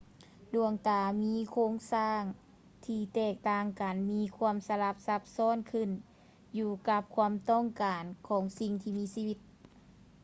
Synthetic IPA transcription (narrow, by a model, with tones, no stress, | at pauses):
du˧˩əŋt̪aː˨˧˩miː˧˥˨kʰoː˧˥˨ŋsaː˧˥˩ŋ | t̪ʰiː˧˩t̪ɛː˧˩k̚t̪aː˧˩ŋka˨˩nmiː˧˥˨kʰu˧˥əmsa˧la˧˩p̚sa˧˥p̚sɔː˧˥˨nkʰɯ˧˩˨n | juː˧ka˧˥p̚kʰu˧əmt̪ɔ˧˥˨ŋkaː˨nkʰɔː˨˩˦ŋsi˧ŋt̪ʰiː˧miː˧˥˨siː˧wi˧˥t̪̚